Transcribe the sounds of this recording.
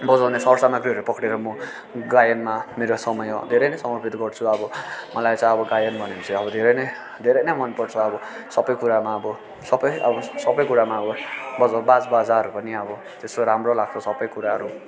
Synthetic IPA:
bʌd͡zawnesʌɾsamaɡɾiʌɾupʌkɽeɾʌmʌ | ɡajʌnmameɾosʌmʌjʌd̪ʱeɾʌjnʌjsʌmʌrpʰit̪ɡʌrt͡sʰuʌbʌmʌlajt͡sʌ̃j̃ʌbʌɡajʌnbʱʌnint͡sʰiʌbʌd̪ʱeɾʌjnʌj | d̪ʱeɾʌjnʌjmʌnpʌɽt͡sʰʌʌbʌ | sʌbʌjkuɾamaʌbʌ | sʌbʌjʌ̰bʌsʌbʌjkuɾamaʌbʌbʌd͡zawbad͡zbad͡zaʌɾupʌniʌbʌ | t̪esoɾamrolaɡ̚t͡sʰʌsʌbʌjkuɾaɦʌɾu

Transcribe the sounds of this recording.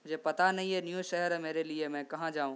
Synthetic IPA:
ʊ̃ɦd͡ʑepɐt̪anɐɦĩɦenijũʃɐɦəɾmeːɾeliemɛ̃ːkɐɦãd͡ʑaːũ

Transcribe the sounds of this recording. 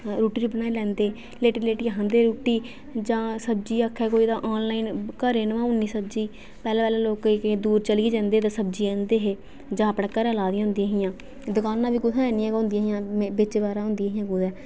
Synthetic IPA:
ɾuːʈiːɾʊbnaːilɛ̃ːnd̪eː | leːʈiːleːʈiːaɦãːnd̪eːɾuːʈiː | d͡ʒãːsəb̚d͡ʒiːəkʰːɛːkoːiːd̪ãːʔaːnlaːinkəɾeːnʋãːʊnːiːsəb̚d͡ʒiː | pɛːlɛ̃ːpɛːlãːloːkkd̪uːɾt͡ʃəliiːd͡ʒɛ̃ːnd̪eːt̪ãːsəb̚d͡ʒiːɛ̃ːnd̪eːɦeː | d͡ʒãːəpɽãːkəɾɛːlaːd̪ijãːʊnd̪ijãːɦɪjãː | d̪ʊkaːnːãːʋiːkʊsʰãːɛːnĩːɛːõːnd̪ijãːɦɪjãːbɪt͡ʃːbaːɾãːɦʊ̃nd̪ijãːɦɪjãːkud̪ɛː

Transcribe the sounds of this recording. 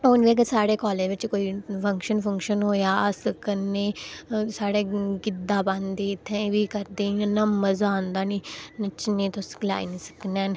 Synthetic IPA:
oːnʋeːɡəsaːɽeːkɔːleːʋɪt͡ʃkoːiːpʰə̃ŋkʃənpʰə̃ŋkʃənɦoːjaːsəkənːeːsaːɽeːɡɪd̪aːbãnd̪eːɪt̪ʰːẽːʋiːkəɾd̪eːonːãːməzaːnd̪aːniːnət͡ʃnẽːt̪osɡla̰ːḭnisə̥knɛ̃ːn

